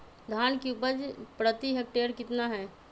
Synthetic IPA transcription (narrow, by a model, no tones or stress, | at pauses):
d̪ʱaːnkeupəɾd͡ʒpɾət̪iɦek̚ʈeːɾkɪt̪naɦɛː